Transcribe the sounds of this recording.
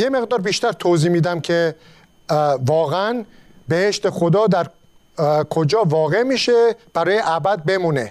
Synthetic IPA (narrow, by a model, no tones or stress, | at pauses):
jeme̞ɣd̪ɒːɾbiːʃt̪æɾt̪ʰoziːmiːd̪æmcʰe̞ | vɒːɣeænbe̞heʃt̪exo̞d̪ɒːd̪æɾ | kʰo̞d͡ʒɒːvɒːɣe̞miːʃe̞b̥æɾɒːje̞ʔæbæd̪̚be̞muːne